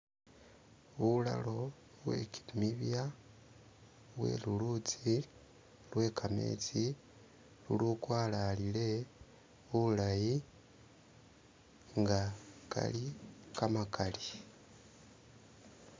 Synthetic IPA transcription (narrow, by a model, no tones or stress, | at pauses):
βula̰lo̞ | βwe̞̰ki̥miβja | βwe̞̰ːlulut͡si | lwe̞ːkʰame̞̰ːt͡si | luluːkwaːlalile̞ | βulaji | ŋɡaka̰likamakʰali